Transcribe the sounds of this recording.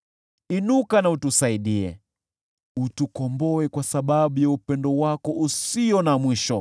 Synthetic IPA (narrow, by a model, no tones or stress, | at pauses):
inukanautusaiɗiɛ̰ | utukɔmbɔɛkwasaɓaɓujaupɛndɔwakɔʔusiɔnamwiʃɔ